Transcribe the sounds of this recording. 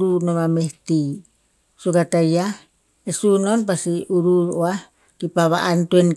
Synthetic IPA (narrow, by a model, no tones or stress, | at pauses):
ɾunomameht̪i | suɡat̪aja | esunonpasiʔuɾuɾoah | kipaβa̰ʔantuen